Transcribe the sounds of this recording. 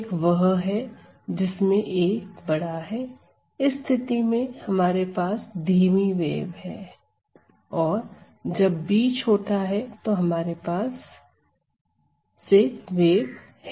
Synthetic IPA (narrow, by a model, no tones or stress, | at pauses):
kʋɐɦɦɛ | d͡ʒɪsmẽʔeːkbɐɽ̤aɦɛ | ɪst̪ʰɪt̪imẽhɐmaːɾepaːsd̪ʱiːmiʋḛːbɦɛː | ɔːɾ | d͡ʒɐbːiːt͡ʃɦoːt̪aɦɛt̪oɦɐmaːɾepaːs | eʋeːb | h